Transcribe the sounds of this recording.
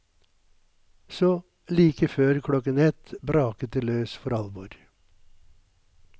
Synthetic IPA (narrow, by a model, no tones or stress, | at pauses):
sɔː | liːkəføːɾkʰɽɔkənɛt̪bɾɑːkət̪əløːsfɔɾɑlʋoːɾ